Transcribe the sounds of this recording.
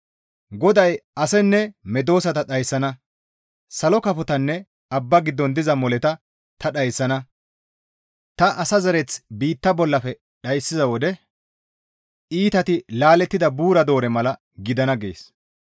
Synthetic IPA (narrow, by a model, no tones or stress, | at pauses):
ɡɔd̪ɐjɐsɛnːɛmɛd̪o̞ːsɐt̪ɐɗɐjsːɐnɐ | sɐlɔkɐfɔt̪ɐnːɛ | ɐbːɐɡɪd̪ːɔnd̪ɪzɐmɔlɛt̪ɐ | t̪ɐɗɐjsːɐnɐ | t̪ɐʔɐsɐzɐɾɛt͡sbiːt̪ːɐbɔlːɐfɛ | ɗɐjsːɪzɐwɔd̪ɛ | iːt̪ɐt̪ɪlaːlɛt̪ːɪd̪ɐbuːɾɐd̪o̞ːɾɛmɐlɐ | ɡɪd̪ɐnɐɡḛːs